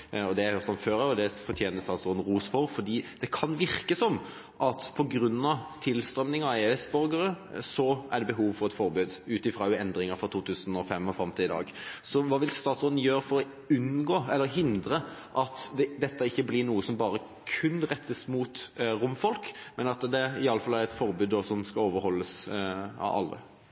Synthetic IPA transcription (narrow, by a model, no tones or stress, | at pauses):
ɔd̪ɛhɛhøːʁt̪ɔmføːɾɑjʊd̪ɛfɔt̪ʰjeːnəst̪ɑːt̪sɔnd̪n̩ʁuːsfɔɾfɔd̪iːd̪̥ɛkʰɑnʋɪɾkəsɔm | ʔɑt̪pʰɔɡɾʉnːɑt̪ʰɪlst̪ɾœmnɪŋɑeːɛsbœɾɡəɾə | sɔæɖɛbəɦuːʋfɔɾɛt̪fɔɾbʉːd̪ʉːt̪ɪfɾɑːjʊɛnd̪ɾɪŋəfɾɔt̪ʰuːt̪ʰʉːsənɔfɛmɔfɛmt̪ɪɪd̪ɑ̰ːɡsɔʋɑːʋɪlst̪ɑːt̪sɔnən̩jøːɾfɔɾɔ | ʉnɡoːɛlːəɾɦɪnd̪ɾəʔɑt̪d̪ɛd̪ɛt̪ːəɪçːəblɪnuːəsɔmbɑːɾə | kʰʉnʁɛt̪ːəsmut̪ɾʊmfɔlkmɛnɑt̪d̪ɛɪɑləfɑlːæɾɛt̪fɔɾbʉːd̪d̪ɔsɔmskɑoːʋəɾhɔlːəsɑ̰ɑ̰lːə̰